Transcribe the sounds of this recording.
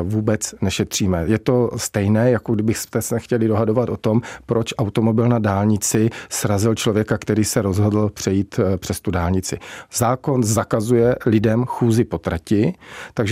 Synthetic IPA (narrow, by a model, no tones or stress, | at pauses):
vuːbɛt͡snɛʃɛt̪r̝̥iːmɛjɛt̪o̞st̪ɛjnɛːjakoɡdɪbɪxst̪ɛsɛxcɛlɪdo̞ɦado̞vat̪ʔot̪o̞mpɾʔo̞t͡ʃʔawt̪o̞mo̞bɪlnadaːlɲɪt͡sɪsɾazɪlt͡ʃlovjɛkakt̪ɛɾiːsɛɾo̞zɦo̞dl̩pr̝̥ɛjiːt̪pr̝̥ɛst̪udaːlɲɪt͡sɪ̰zaːko̞nzakazujɛlɪdɛmxuːzɪpo̞t̪ɾacɪt̪aɡʒɛ